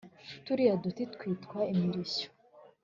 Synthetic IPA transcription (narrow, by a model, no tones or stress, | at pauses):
tuɾijadut̪itkwiːtkwaimiɾiso̥